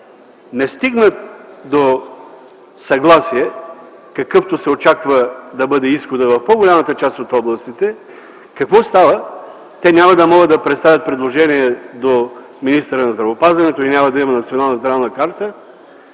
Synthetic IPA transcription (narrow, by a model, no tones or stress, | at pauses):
nɛst̪iɡnət̪d̪o | sɐɡlˠasiɛ | kɐkɤft̪osɛot͡ʃakvəd̪ɐbɤd̪ɛisxod̪əvɐfpoɡolʲamət̪ət͡ʃast̪ot̪ɔblˠəst̪it̪ɛ | kɐkvɔst̪avə | t̪ɛnʲamɐd̪ɐmɔɡəd̪ɐpɾɛt̪st̪avʲjət̪̚pɾɛd̪lˠoʒɛniɛd̪o | minist̪əɾənɐzd̪ɾɐvopazvɐnɛt̪oinʲamɐd̪ɐimɐnɐt̪sionalˠnəzd̪ɾavˠnəkaɾt̪ə